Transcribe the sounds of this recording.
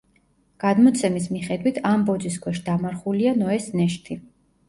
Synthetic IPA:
ɡ̥ad̪mɔt̪sʰɛmismiχɛd̪wit̪ʰambɔd̪ziskʰwɛʃd̪amaɾχulianɔɛsnɛʃt̪ʰi

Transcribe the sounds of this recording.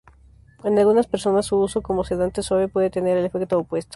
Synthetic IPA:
enalɣunaspeɾso̞nasːuusoko̞moseðant̪eswaβjopwe̞ðe̞t̪e̞ne̞ɾelefe̞kt̪oːpwe̞st̪o̥

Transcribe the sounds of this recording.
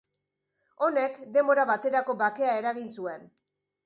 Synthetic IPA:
o̞ne̞kd̪e̞mbo̞ɾaβat̪e̞ɾako̞βake̞ae̞ɾaɣinsue̞n

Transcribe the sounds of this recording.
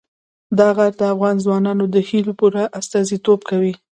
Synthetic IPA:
d̪ɑɣaɾd̪əafɣɑnzwɑnɑnod̪əhilopuɾaʔast̪ɑzit̪ob̚kawi

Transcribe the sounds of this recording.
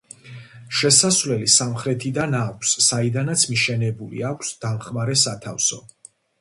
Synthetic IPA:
ʃɛsasvlɛlisamχɾɛt̪ʰid̪anakʷʰsːaid̪anat̪sʰmiʃɛnɛbulḭakʷʰsd̪̥amχmaɾɛsat̪ʰafsɔ

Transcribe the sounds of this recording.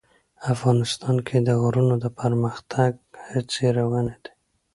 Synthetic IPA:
afɣɑnɪst̪ɑnkʰed̪əɣɾunod̪əpʰəɾməxt̪ʰaɡ̚hət͡seɾawəned̪e̥

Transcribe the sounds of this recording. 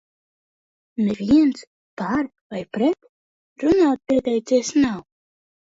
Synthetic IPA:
neviɛnt̪s | paɾ | vajpɾɛt̪ | ɾunaːt̪̚pʲiɛt̪ɛjt̪sɛɛsnaw

